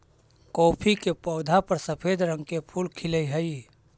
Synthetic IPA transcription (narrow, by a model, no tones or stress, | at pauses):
koːpʰikepɔːd̪ʱapəɾsəpʰed̪ɾə̃ŋɡkepʰulkʰiləiɦəi